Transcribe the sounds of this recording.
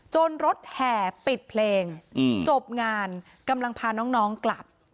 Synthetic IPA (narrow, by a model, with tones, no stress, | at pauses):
t͡ɕoː˧nɾo˦˥t̪̚hɛː˨˩pi˨˩t̪̚pʰleː˧ŋt͡ɕo˨˩p̚ŋaː˧n | ka˧mla˧ŋpʰaː˧nɔː˦˥ŋnɔː˦˥ŋkla˨˩p̚